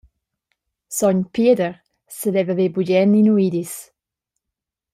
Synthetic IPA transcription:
sɔɲpiədəɾ | sədɛvavebuɟɛninuidis

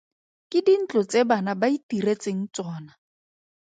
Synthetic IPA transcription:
kɪdin̩t͡ɬɔt͡sʼebanabaitiɾet͡seŋ̩t͡sʼɔːna

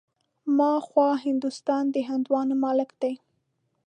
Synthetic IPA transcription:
mɑxwɑɦɪnd̪ust̪ɑnd̪əɦɪnd̪wɑnmɑlɪkd̪̥aj

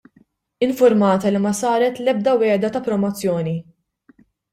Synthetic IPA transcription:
ɪɱfʊɾmɐːt̪ɐlimɐsɐːɾɛt̪lɛb̚d̪ɐwɛːd̪ɐt̪ɐpɾɔmɔt͡sːjɔːni

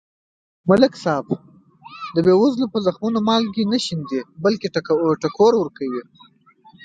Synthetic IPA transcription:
mʊlɪksɑb | d̪əbewʊzlopəzaxmunomɑlkinaʃind̪ebəlkeʈaaʈakoɾwəɾkawi

